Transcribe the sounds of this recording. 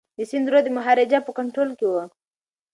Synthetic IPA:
d̪əsɪnd̪ɾod̪emʊɦaɾɪd͡ʒapəkaɳʈɾolkewə

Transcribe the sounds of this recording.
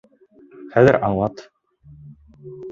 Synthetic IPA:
χæðɘɾʔɑɴlˠɑt̪

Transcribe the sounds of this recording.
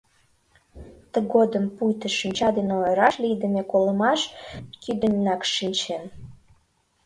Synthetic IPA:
t̪əɣod̪əmpujt̪əʃinʲt͡ɕɑd̪enojɾɑʃlijd̪ə̆mekolə̆mɑʃkyd̪ənʲːɑkʃinʲt͡ɕen

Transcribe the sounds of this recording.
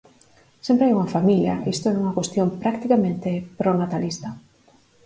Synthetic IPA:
sempɾeajuŋɐfamiljɐ̰ist̪oɛuŋɐkwest̪jompɾakt̪ikamẽnt̪epɾonat̪alist̪ɐ

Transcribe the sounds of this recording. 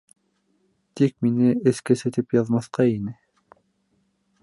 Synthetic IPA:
t̪ʰik̚ʲminɪeskʲæset̪ʰɪpjɑðmɑθqɑinɪ

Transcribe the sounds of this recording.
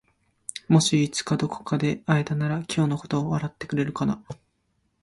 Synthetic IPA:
mo̞ɕiːt͡sɨ̥kad̪o̞ko̥kad̪e̞aed̪anaɾakʲʰo̞ːnoko̞̥t̪o̞ːβaɾat̪ːe̞̥kɯ̟ɾe̞ɾɯ̟kana

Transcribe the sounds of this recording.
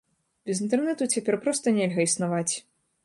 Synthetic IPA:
bʲɛzint̪ɛrnɛt̪ut͡sʲapʲɛrpɾɔst̪ɐnʲelʲɣɐisnavat͡sʲ

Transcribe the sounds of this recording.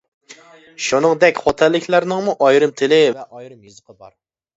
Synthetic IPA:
ʃunɨŋd̪ɛkʲχɔt̪ʰɛlːɪkʲlæɾnɨŋmuʔɑjɾɨmt̪ʰɪlɪ

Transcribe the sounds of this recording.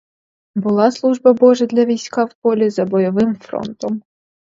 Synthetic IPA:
bʊlˠɑslˠuʒbɐbɔʒɛd̪lʲɐʋʲijsʲkɑwpɔlʲizɐbɔjɔʋɪmfɾɔ̰nt̪ɔm

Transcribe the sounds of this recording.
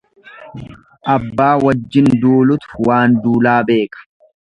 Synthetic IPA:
ʔɐbːaːwɐd͡ʒːɪnd̪uːlʊt̪ʊ̥waːnd̪uːlaːbe̞ːkɐ̥

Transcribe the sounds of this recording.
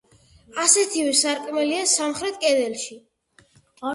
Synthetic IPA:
asɛt̪ʰivɛsaɾkʼmɛliasamχɾɛt̪̚ʰkʼɛd̪ɛlʃi

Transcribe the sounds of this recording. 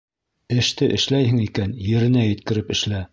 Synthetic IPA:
ɘ̆ʃt̪ɘʔɘ̆ʃlæjɦɘŋikænjɘ̆ɾɘ̆næjɘ̆t̪̚kɘ̆ɾɘpɘ̆ʃlæ

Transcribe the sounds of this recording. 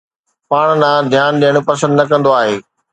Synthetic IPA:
paːɽ̃naːd̪ʱjaːnɗiəɽ̃upɐsə̃nd̪nɐkɐ̃nd̪oaːɦeː

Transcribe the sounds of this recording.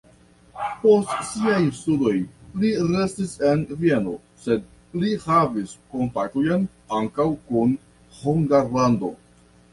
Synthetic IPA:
po̞stsiajstudo̞jliɾe̞stise̞nvie̞no̞ | se̞d̚ | lihavisko̞mpatojn | aŋkawkun | huŋɡaɾlando̞̰

